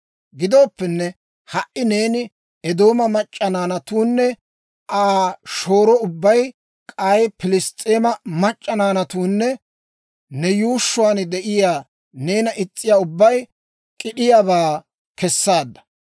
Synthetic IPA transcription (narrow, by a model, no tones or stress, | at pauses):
ɡɪd̪o̞ːpːɛnːɛ | hɐʔɪne̞ːnɪ | ɛd̪o̞ːmɐmɐt͡ʃʼːɐnaːnɐt̪uːnːɛ | ʔaːʃo̞ːɾɔʊbːɐj | kʼɐjpɪlɪst̪ʼeːmɐmɐt͡ʃʼːɐnaːnɐt̪uːnːɛ | nɛjuːʃːʊwaːnd̪ɛʔɪjaː | ne̞ːnɐʔɪt͡sʼːɪjaːʊbːɐj | kʼɪɗɪjaːβaː | kɛsːaːd̪ːɐ̥